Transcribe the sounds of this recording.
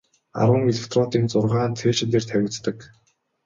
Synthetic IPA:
a̰ɾwə̆ŋɡeɮeft̪ʰrɔt̪iːnt͡sʊrʁaːnt͡s̪ʰeːʃɪ̆t̪eːrt̪ʰæwʲɪ̆t͡st̪ə̆k

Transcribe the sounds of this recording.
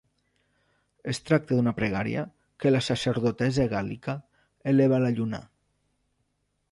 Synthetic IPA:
est̪ɾak̚t̪əðunapɾeɣ̞aɾḭa̰ | kəlasaseɾðot̪ɛzeɣalika | eleβ̞alaʎuna̰

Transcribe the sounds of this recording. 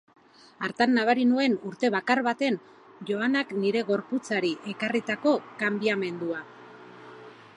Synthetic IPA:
aɾt̪anːaβ̞aɾinue̞nuɾt̪e̞βakaɾβat̪e̞n | ʝo̞anakniɾe̞ɣo̞ɾput͡saɾiʔe̞karit̪ako̞kambiame̞nd̪ua

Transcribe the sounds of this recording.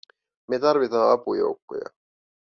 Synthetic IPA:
met̪ɑrʋit̪ɑːɑpujo̰ukːo̰jɑ̰

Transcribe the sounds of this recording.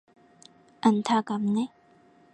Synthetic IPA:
ʔənt̪ʰakamne

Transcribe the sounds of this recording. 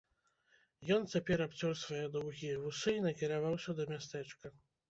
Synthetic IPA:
jɔnt͡sʲapʲɛɾapt͡sʲɔrsvajɛd̪ɔwɣʲijɐvusɨinɐkʲiɾavawsʲɐd̪ɐmʲast̪ɛt͡ʂkɐ

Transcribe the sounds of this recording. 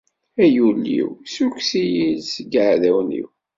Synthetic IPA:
æjulːḭwsuksijilsəɡəʕðæwnḭw

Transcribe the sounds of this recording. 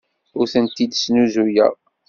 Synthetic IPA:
ʊɾθənt̪id̪snuzujæ̰ʁ

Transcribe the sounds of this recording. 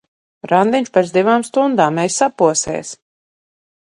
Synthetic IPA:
ɾand̪iɲʲʃpɛsd̪ivaːmst̪und̪aːmːɛjsːapuɔsɛ̰ːs

